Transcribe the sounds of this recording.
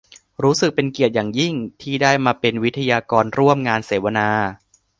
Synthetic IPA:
ɾuː˦˥sɯ˨˩k̚pe˧nki˨˩ət̪̚jaː˨˩ŋji˥˩ŋt̪ʰiː˥˩daː˥˩jmaː˧pe˧nwi˦˥t̪ʰa˧jaː˧kɔː˧nɾu˥˩əmŋaː˧nseː˩˦wa˧naː˧

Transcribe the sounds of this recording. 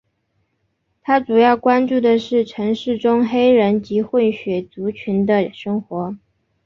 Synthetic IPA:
t̪ʰa˥ʈ͡ʂu˨˩jɑ˥˩ʊkwa˥nʈ͡ʂu˥˩d̪ə˩ʂɻ̩˥˩ʈ͡ʂʰɤ˧˥ŋʂɻ̩˥˩ʈ͡ʂʊ˥ŋxe˥ɪɻə˧˥nt͡ɕi˧˥xwə˥˩nɕɥɛ˨˩t͡su˧˥t͡ɕʰy˧˥nd̪ə˧ʂɤ˥ŋxwɔ˧˥

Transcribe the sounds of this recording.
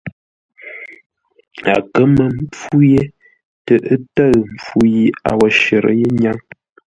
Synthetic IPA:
a̰˨kə˦mə˨m˦p͡fu˦je˦ | tə˨ʔə˦tə˦˨ɰm˨p͡fu˦ji˦a̰˨wə˨ʃə˨ɾə̰˦je˦ɲa˦ŋ

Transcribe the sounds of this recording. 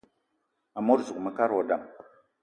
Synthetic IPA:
a˨mo˦ɾzu˨kmə˨ka˦ɾwo˨da˨m

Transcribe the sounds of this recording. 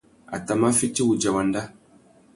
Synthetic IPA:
a̰˨ta˨ma˦fi˦ti˦wu˨d͡ʒa˨wa˨nda˦

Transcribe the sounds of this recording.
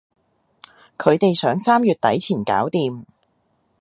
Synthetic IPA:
kʰɵ˨˧ɥt̪e˨jsœː˨˥ŋsaː˥mjyː˨t̚t̪ɐ˨˥jt͡sʰiː˨˩nka̰ː˨˥wt̪iː˨m

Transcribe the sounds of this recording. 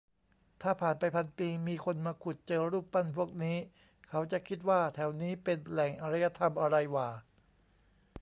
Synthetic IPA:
t̪ʰaː˥˩pʰaː˨˩npa˧jpʰa˧npiː˧miː˧kʰo˧nmaː˧kʰu˨˩t̪̚t͡ɕɤː˧ɾuː˥˩pːa˥˩npʰu˥˩ək̚niː˦˥ | kʰa˦˥wt͡ɕa˨˩ʔkʰi˦˥t̪̚waː˥˩t̪ʰɛ˩˦wniː˦˥pe˧nlɛ˨˩ŋʔa˧ɾa˦˥jːa˧t̪ʰa˧mʔa˧ɾa˧jwaː˨˩

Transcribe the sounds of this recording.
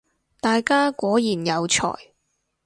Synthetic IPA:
t̪aː˨jkaː˥kʷɔː˨˥jiː˨˩njɐ˨˧wt͡ʃʰɔ̰ː˨˩j

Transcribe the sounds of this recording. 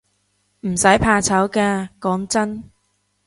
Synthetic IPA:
m̩˨˩sɐ˨˥jpʰaː˧t͡sʰɐ˨˥wkɛː˧kɔː˨˥ŋt͡sɐ˥n

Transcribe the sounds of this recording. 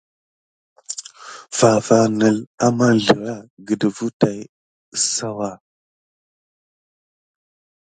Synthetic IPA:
fa˨fa˨nə˨la˦ma˦ɮə˨ɾa˦ɡə˨də˨vu˦ta˨j | sa˦wa˦˨

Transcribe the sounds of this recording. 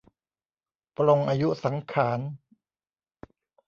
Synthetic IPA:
plo˧ŋʔaː˧ju˦˥sa˩˦ŋkʰaː˩˦n

